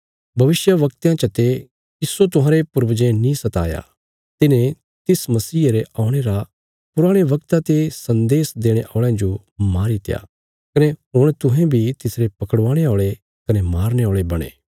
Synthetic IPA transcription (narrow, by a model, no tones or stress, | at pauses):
bʱɐʋɪsjəʋɐkt̪jãt͡ʃɐt̪e | ɪsːot̪̬ʊɦãːɾepʊɾbd͡ʒẽnĩsɐt̪a̰ːja̰ | t̪ɪnẽ | t̪ɪsmɐsiːɾeʔaːʊ̃ɽ̃eɾa | pʊɾaːɽ̃eʋɐkt̪at̪esɐ̃nd̪eːsd̪eːɽ̃eʔɔːɭãd͡ʒo | maːɾit̪ɪja̰ː | kɐneɦʊɽ̃t̪ʊɦɛ̃bʱit̪ɪsɾepɐkəɽʋãːɽ̃eoːɭe | kɐnemaːɾneoːɭebɐɽ̃ḛː